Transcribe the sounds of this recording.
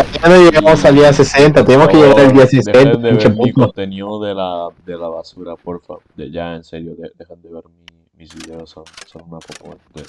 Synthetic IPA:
apenaneʝeɣamosaliase̞se̞nt̪at̪enemoskeʝeɣaɾeld̪iasesent̪at͡ʃepunt̪oenjoðelad̪elaβasuɾapoɾfa | d̪eʝaenseɾjoðed̪exand̪eβeɾmi | misβiðeosonsonunakopot̪e

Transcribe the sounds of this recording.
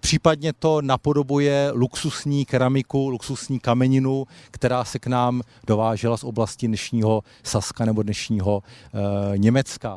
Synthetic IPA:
pr̝̥iːpadɲɛt̪o̞napo̞do̞bujɛluksusɲiːkɛɾamɪkuluksusɲiːkamɛɲɪnukt̪ɛɾaːsɛknaːm | do̞vaːʒɛlasʔo̞blascɪdnɛʃɲiːɦo̞ | saskanɛbo̞dnɛʃɲiːɦo̞ | ɲɛmɛt͡ska

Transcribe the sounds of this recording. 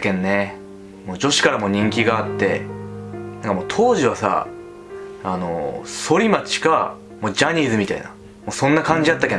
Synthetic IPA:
kẽ̞nːe̞ | mo̞ːd͡ʑo̞ɕi̥kaɾamo̞ːɲ̟ĩŋkʲiɡaːt̪ːe̞ | nãŋkamo̞ːt̪ʰo̞ːʑiβasa̰ | ano̞̰so̞ɾʲimat͡ɕi̥ka | moːd͡ʑaɲ̟iːzɨmʲit̪a̰ḭna̰ | mo̞ːsõ̞nːakãɲ̟d͡ʑiat̪ːakẽ

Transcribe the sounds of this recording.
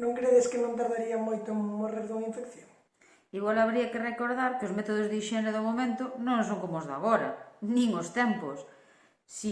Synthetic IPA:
nõŋkɾeðɪskɪnõnt̪aɾðaɾiɐmojt̪ʊmoreɾðuŋiɱfekθjoŋ | iɣwalaβɾiɐkerekoɾðaɾkozmet̪oð̞ozðiʃɛnɾeðomomẽnt̪ʊnõŋsoŋkomozða̰ɣ̞oɾɐ̰nĩŋost̪ɛmposː | i

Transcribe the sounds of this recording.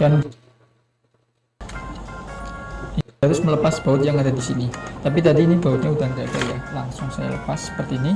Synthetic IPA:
d̥an | aɾʊsmələpasb̥a̤ʊt̪̚jaŋadadisinit̪ap̬it̪adiːnibaʊt̪̚ɲaudaŋkat̪ajalaŋsʊŋsaja̰lə̰pasːə̥pərt̪iːni

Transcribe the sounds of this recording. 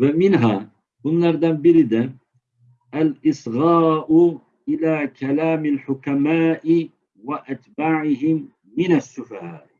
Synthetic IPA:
famɪnɦaː | kʊnːɑɾˤd̪ambɪɾɪd̪a | ʔalʔɪsˤɣɑːʔʊ | ʔɪlaːkalaːmalħʊkamaːʔɪ | waʔat̪baːʕɪɦɪmː | ɪnasːʊfahaː

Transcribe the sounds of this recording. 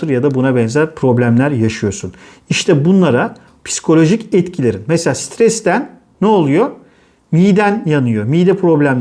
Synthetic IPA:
ɯɾjad̪abunabɛnzæɾpʰɾo̞blʲæmlʲæɾjaʃɯjo̞sun | iʃt̪ʰɛbunlˠaɾa | pʰi̥si̥kʰo̞lʲo̞ʒicɛt̪cʰilʲe̞ɾinmɛselʲaːst̪ʰɾɛst̪ænː | ɛolˠujo̞ | mijd̪ænjanɯjo̞miːd̪ɛpɾo̞blʲæmʲ

